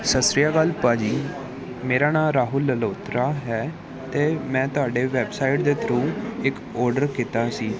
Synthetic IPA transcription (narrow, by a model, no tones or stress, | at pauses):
səsɾɪjaːɡəlpaːd͡ʒiː | meːɾaːnãːɾaːɦʊlːəloːt̪ɾaːɦɛː | t̪eːmɛ̃ːt̪ʊɦaːɖeːʋɛːbsaːɪʈ̚d̪eːt̪ʰɾũːɪk | ɔːɾɖəɾkɪt̪aːsiː